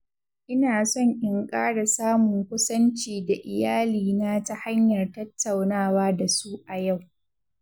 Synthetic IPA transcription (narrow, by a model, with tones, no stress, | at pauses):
ʔɪ˦naː˨sɔ˦˨ɲʔɪ˨ŋkʼaː˦ɽa˨saː˦mʊ˨ŋkʷʊ˦sɐ˦nt͡ʃiː˨da˨ʔɪ˨jaː˦liː˨na˦ta˦ha˦ɲjɐ˨rtɐ˦tʰːa˨wnaː˦˨waː˦da˨su˦ʔa˨ja˦˨w